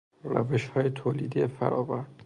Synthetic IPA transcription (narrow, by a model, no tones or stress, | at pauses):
ræ̰veʃhɒːjet̪ʰoːliːd̪ijefæ̰ɾɒːvæɾd̪̥